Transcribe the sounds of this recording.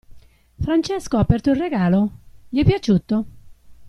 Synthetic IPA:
fɾant͡ʃɛskoaːpːɛrt̪oilreɡaːloʎiɛpːjat͡ʃːuːt̪o

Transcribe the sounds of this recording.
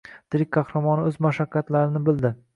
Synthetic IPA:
d̪̥ɪɾɪkʲkʰːɑhɾamɒnɪɵzmaʃakʲːat̪laɾɪnɪbɪld̪ɪ

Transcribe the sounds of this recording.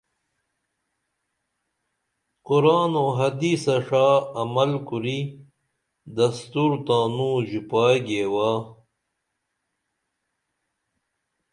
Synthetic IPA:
quɾaːnoɦɐd̪isɐʂaːɐmɐlkuɾi | d̪ɐst̪uɾt̪ãːnũːʑupaːɡeːwaː

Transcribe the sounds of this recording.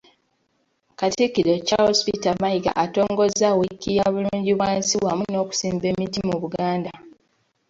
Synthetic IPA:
katikilecahospitamajiɡa̰ʔato̞ːŋɡo̞zawikːijaβuluːɲɟiβwaːnsiwamuno̞ːku̥siːmbemitimuβuɡaːnda

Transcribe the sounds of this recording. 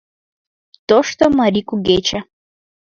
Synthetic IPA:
t̪oʂt̪omɐɾikuɡet͡ɕɐ

